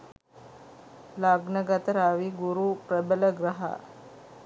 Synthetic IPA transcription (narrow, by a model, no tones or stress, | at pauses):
laɡnɐɡɐt̪əɾaʋiɡuɾupɾəbələɡɾɐɦa̰